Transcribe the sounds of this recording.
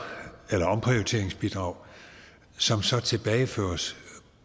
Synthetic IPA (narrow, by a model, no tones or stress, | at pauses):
elɐɒ̽mpʰʁiot͡sʰe̝ɐ̰eŋsb̥id̥ʁɑ̈ʊ̰ | sɒ̽msɒ̽t͡sʰe̝b̥ɛːɪfø̰ːɐs